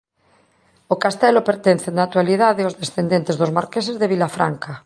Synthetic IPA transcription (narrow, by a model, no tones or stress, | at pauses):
okast̪ɛlopeɾt̪ẽn̟θenat̪waliðaðeozðesθend̪ẽnt̪ezðozmaɾkes̬ezðeβ̞ilafɾa̰ŋka